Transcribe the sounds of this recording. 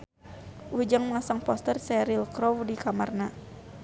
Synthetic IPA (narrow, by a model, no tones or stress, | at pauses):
ud͡ʒaŋmŋasaŋpɔst̪ərsɛɾilkɾɔwdikamarna